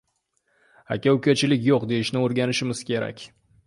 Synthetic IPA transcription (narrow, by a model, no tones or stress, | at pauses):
a̰kʲawkʲat͡ʃɪlɪkʲjoqd̪e̞jɪʃnɪoɾɡʲanɪʃɪmɪz̥kʲe̞ɾa̰kʲ